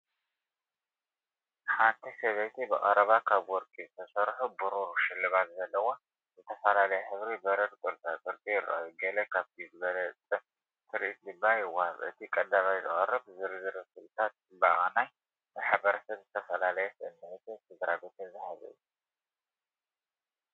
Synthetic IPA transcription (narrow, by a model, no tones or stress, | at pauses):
ħant̪ʰisɐβet̪ʰibɨxʼɐɾɐβakʰaβwɔɾkʼizɨt̪ʰɐsɐɾħubuɾuɾʃɪlːɨβat̪zɐlːɐwo | zɨt̪ʰɐfɐlalɐjɛħɨβɾibɐɾɐd̪kʼɨɾt͡sʼakʼɨɾtʼijɪrːa̰juɡɐlɐkʰaβt̪ʰizɨβɐlɐt͡sʼɨ | tʰɨɾʔit̪dɨbːajɪwahβʔɨ̰t̪ʰikʼɐd̪ːaβajzɨ̰χʼɐrːɐbzɨɾzɨɾɐsɨβt̪ʰat̪̚ɨbaʔʼanaj | bɨħaβɐɾɐsɐβzɨt̪ʰɐfɐlalɐjɛsɨɨnːet̪esɨɡ̪ɾabet̪ʰezɨħazɨ̰ju